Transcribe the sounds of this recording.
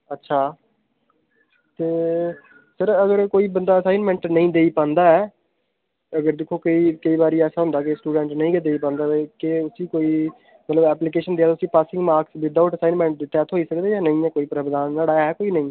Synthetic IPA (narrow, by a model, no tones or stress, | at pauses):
ətːʃʰaː | t̪eː | səɾəɡəɾkoːiːbənd̪aːəsaːɪnmɛ̃ːɳʈnəĩːd̪eːiːpãːnd̪aːɛː | əɡəɾd̪ɪkʰːoːkəiːkəiːbaːɾiːɛːsaːɦʊ̃nd̪aːkɪsʈuːɖɛ̃ɳʈnəĩːkəd̪eːiːpãːnd̪aːkɪʊsĩːkoːiː | mət̪ləbɛːplikeːʃənd̪eːaːʊsĩːpaːsɪ̃ŋɡmaːɾksʋɪd̪aʊʈəsaːinmɛ̃ːɳʈ̚d̪ɪʈ̪ːaːt̪ʰɦoːiːsəkd̪eːjaːnəĩːɛːkoːiːpɾəbd̪aːnːaːɽaːɛːkoːiːnəĩː